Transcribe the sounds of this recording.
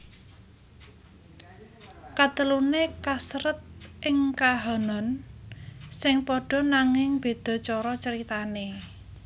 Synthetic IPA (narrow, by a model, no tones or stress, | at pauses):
kat̪əlunekasɾət̪̚ʔɪŋkaɦɔnɔn | sɪŋpɔɖ̥ɔ̤naŋɪŋb̥e̤d̪̥ɔ̤t͡ʃɔɾɔt͡ʃəɾit̪ane